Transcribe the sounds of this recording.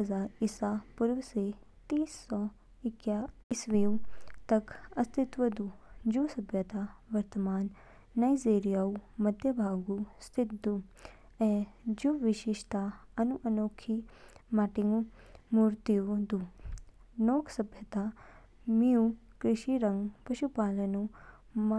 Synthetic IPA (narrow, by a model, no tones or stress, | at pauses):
ɐzaːɾisapʊɾʋse | t̪iːsːɔː | ɪkjaɪsʋiũt̪ɐkɐst̪ʰɪt̪ʋəd̪ud͡ʒusɐbʱjət̪aʋɐɾt̪əmaːnː | aːizeːɾijaːumɐd̪ʱjəbʱaːɡust̪ʰɪt̪̚d̪u | ɛd͡ʒuʋɪʃiʃt̪aɐnuʔɐnoːkʰimaʈiŋɡumuːɾt̪iud̪u | noːkʰsɐbʱjət̪a | miũkɾɪʃiɾɐ̃ŋɡpɐʃupaːlɐnũ | m